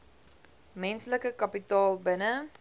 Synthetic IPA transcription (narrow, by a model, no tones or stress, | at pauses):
mɛnsləkəkɐpitɑːlbənə